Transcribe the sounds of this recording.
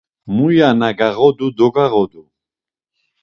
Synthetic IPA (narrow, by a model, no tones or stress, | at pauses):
mujanaɡaɣɔd̪ud̪ɔɡaɣɔd̪u